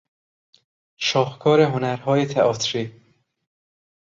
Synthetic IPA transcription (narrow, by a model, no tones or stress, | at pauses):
ʃɒːhkʰɒːɾeɦonæɾhɒːjet̪ʰeɒːt̪ʰɾi